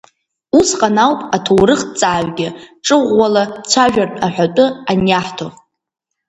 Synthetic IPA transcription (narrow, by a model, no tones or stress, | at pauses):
usqʼanawpʼatʰowrɨχt͡sʼaːʕɡʲɪʈ͡ʂʼɨʁʷːalat͡sʷʰaʒᶣartʼaħʷᶣatʼʊanjaħtʰo